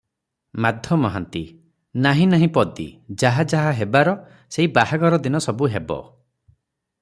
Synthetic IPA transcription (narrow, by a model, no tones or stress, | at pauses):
mad̪ʱjɔmɔɦant̪i | naɦĩnaɦĩpɔd̪ḭd͡ʒaɦad͡ʒaɦaɦebaɾɔ | seibahaɡɔɾɔd̪inɔsɔbuɦebɔ̰